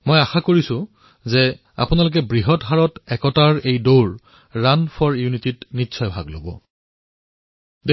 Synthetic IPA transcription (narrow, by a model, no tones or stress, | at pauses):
mojaxakoɹisʊ̃ | zɛ | a̰pʊnalʊk̬ɛbɹiɦɔtɦaɹɔtɛkɔtaɹejdoɹ | ɹanpʰɔɹjunititnitːsʰɔjbʱa̰ɡlo̰bɔ̰ | de